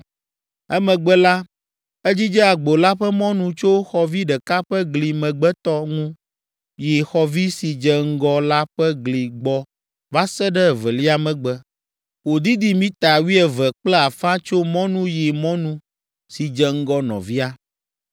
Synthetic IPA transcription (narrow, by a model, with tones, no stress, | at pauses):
ɛ˦mɛ̃˨ɡ͡bɛ˦la˦ | ɛ˦d͡ʑi˦d͡ʒɛ˦a˨ɡ͡bo˨la˦ɸɛ˦mɔ̃˦nũ˦t͡ʃo˦xɔ˨vi˦ɖɛ˨ka˦ɸɛ˦ɡli˨mɛ̃˨ɡ͡bɛ˦t̪ɔ˦ŋũ˦ | ji˨xɔ˨vi˦si˨d͡ʒɛ˨ŋ̩˦ɡɔ˦la˦ɸɛ˦ɡli˨ɡ͡bɔ˨ | va˦sɛ˦ɖɛ˦˨vɛ˨li˦a˨mɛ̃˨ɡ͡bɛ˦ | wo˨d̪i˦d̪i˦mĩ˦t̪a˨wi˦ɛ˨vɛ˨k͡plɛ˦a˨fã˦t͡ʃo˦mɔ̃˦nũ˦ji˨mɔ̃˦nũ˦ | si˨d͡ʒɛ˨ŋ̩˦ɡɔ˦nɔ̰̃˨vi˦a˦